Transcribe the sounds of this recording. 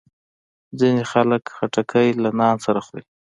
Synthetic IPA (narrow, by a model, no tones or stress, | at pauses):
zinexaləkxaʈakʰəjlanɑnsaɾaxɾi